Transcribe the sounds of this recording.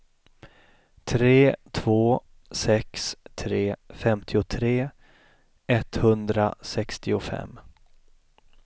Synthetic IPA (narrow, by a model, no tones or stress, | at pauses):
t̪ʰɾeːt̪ʰv̥oː | sɛkst̪ʰɾeːfɛmt̪ʰɪʊt̪ʰɾeː | ɛt̪hɵnd̪ɾa̰sɛkst̪ɪʊfɛ̰mː